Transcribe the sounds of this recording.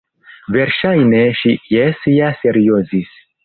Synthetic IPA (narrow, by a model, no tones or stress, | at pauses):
ve̞ɾʃajne̞ʃijesijase̞ɾiozis